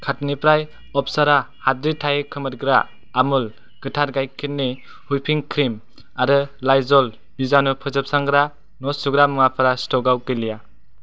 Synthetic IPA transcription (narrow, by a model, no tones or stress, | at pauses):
kʰatnipɾaj | ɔpʰsaɾa | hatɾitʰajkʰɯmɯɾ̚ɡɾaː | mɯl | ɡ̥ɯtʰaɾɡajkʰit̚ni | hujpʰiŋkʰɾim | aɾɯlajzɔl | bizanɔpʰɯzɯp̚saŋɡɾa | nɔsuɡɾamɯŋapʰaɾastɔɡawkɯlija